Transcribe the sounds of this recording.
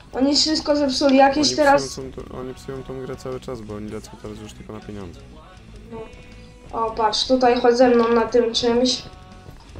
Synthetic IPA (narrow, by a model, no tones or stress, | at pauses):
ʔɔɲifʂɘst̪̚kɔzɛpsulʲijakʲeɕt̪ɛɾasɔ̰ɲipsujɔ̃w̃t̪ɔ̃w̃ɡɾɛt̪sawɘt͡ʂazbɔɔɲilʲɛt̪sɔ̃w̃t̪ɛɾazvuʂt̪ɘlkɔnapʲeɲɔ̰nd̪zɛ | nɔ | ɔpaʂt̪ut̪̬ajxɔzɛmnɔw̃nat̪ɘmt͡ʂɘmɕ